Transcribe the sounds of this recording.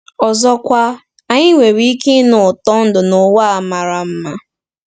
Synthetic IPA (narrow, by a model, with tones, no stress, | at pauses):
ɔ˨zɔ˦kʷa˦ | a˨ɲɪ˦ŋʷe˨wi˦ki˦nʊ˨tɔ˦n̩˦dʊ˨nʊ˨wa˦a˨ma˨ɾa˨m̩˦ma˦